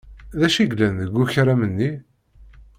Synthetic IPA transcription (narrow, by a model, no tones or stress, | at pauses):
ðæʃiɡlænðəɡʷːuçɾæmənːi